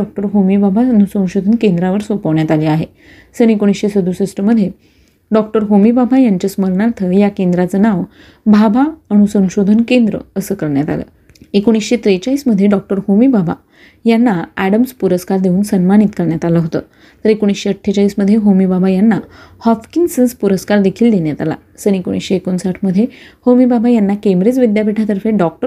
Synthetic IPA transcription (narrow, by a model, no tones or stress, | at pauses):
ɔk̚ʈəɾɦomibabʱaəñusə̃w̃ɕod̪ʱənkẽnd̪ɾaʋəɾsʋəpəʋɳjat̪aliaɦe | sənekoɽ̃isɕesəd̪ʱusəsʈəməd̪ʱːje | ɖɔk̚ʈəɾɦomibabʱajaɲt͡ɕəsməɾɳaɾt̪ʰəjakend̪ɾat͡sənaʋ | bʱabʱaəɽ̃usə̃w̃ɕod̪ʱənkend̪ɾə̰əsəːkəɾɳjat̪a̰lə̰ː | ekoɽ̃isɕet̪ɾet͡ɕaiːsməd̪ʱːjeɖɔk̚ʈəɾhomibabʱa̰ | janːaæɽəmspuɾəskaɾd̪euːnsənmaɽ̃it̪kəɾɳjat̪aləɦot̪ə̰ː | t̪əɾekoɽ̃isɕeəʈʰːet͡ɕaiːsməd̪ʱjeɦomibabʱajanːahɔfkinsənspuɾəskaɾd̪ekʰiːld̪eɳjat̪ala̰əsəñeko̰ɽ̃ḭsɕeːkonsaʈʰməd̪ʱːjehomibabʱajanːakemɾet͡sʋid̪japiʈʰat̪əɾfeɖɔk̚ʈə